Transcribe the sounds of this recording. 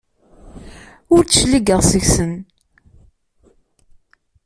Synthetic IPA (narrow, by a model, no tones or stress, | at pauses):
ʊɾt͡sːəʃliɡəʁsəçsən